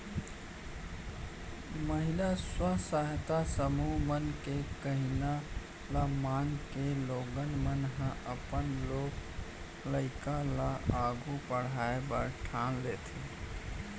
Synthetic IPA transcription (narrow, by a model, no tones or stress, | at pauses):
məɦilaswəsəɦt̪asəmumənkekəɦina | lamaŋkeloɡənmənɦə̃ʔəpənlok | ləɪkalaaɡupəɽ̤aebəɾʈʰanlet̪ʰi